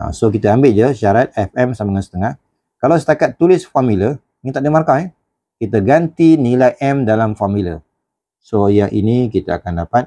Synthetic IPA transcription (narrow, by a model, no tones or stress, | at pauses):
sokit̪aambɪʔ̚d͡ʒaʃaɾat̪̚ɛfɛmsaməŋansə̥t̪əŋah | kalawsə̥t̪akat̪ːulɪsfamilə | ŋint̪aʔdimarkaɛ | kit̪aɡant̪inilajʔɛmdalamfɔmilə̰ | sojaŋʔḭnikit̪aa̰kandapat̪̚